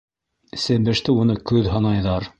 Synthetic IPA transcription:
sɘ̆mbɘ̆ʃt̪ɘunɤkʉðɦɑnɑjðɑɾ

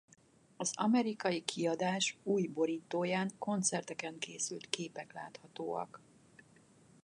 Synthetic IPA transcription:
ɒzɒmɛɾikɒjikʰiɒd̪aːʃuːjbo̞ɾiːt̪oːjaːŋko̞nt̪sɛrt̪ɛkɛŋkeːsylt̪keːpɛkla̰ːt̪hɒt̪oːɒ̰k

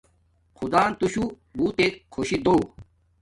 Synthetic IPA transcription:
xʰud̪aːnt̪uɕu | buːt̪eːkʰːoːɕid̪oː

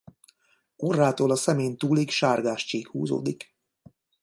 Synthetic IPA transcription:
orːaːt̪oːlɒsɛmeːnt̪uːlikʃaːrɡaːʃt͡ʃiːkhṵːzo̰ːd̪ik

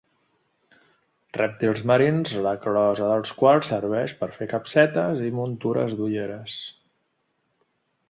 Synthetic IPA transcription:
rɛp̚t̪ilˠzməɾinzləklɔzəðəlˠskwalˠsəɾβ̞ɛʃpəɾfekəpsɛt̪əzimunt̪uɾə̰zd̪uʎeɾəs

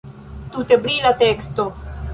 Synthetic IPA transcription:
t̪ut̪ebɾilat̪ekst̪o

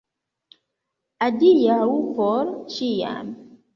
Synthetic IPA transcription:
adijawupɔɾʃija̰m

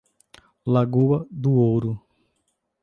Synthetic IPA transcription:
laɡuɐd̪ʊowɾʊ

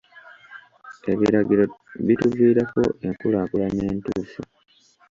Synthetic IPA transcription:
e̞βiɾaɡiɾoβituviːɾako̞̰ʔeŋkulaːkulane̞ːntuːfu

